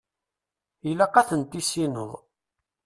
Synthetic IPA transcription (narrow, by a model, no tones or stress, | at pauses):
jəlaqɑθənt̪isinəðˤ